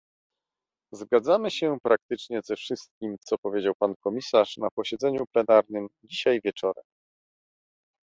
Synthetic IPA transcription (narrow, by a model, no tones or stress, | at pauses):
zɡad̪zamɘɕɛpɾak̚t̪ɘt͡ʂɲɛzɛfʂɘst̪̚kʲimt̪sɔpɔvʲjed͡ʑawpankɔmʲisaʂnapɔɕɛd̪zɛɲuplɛnaɾnɘmd͡ʑiɕajvʲjɛt͡ʂɔɾɛ̰m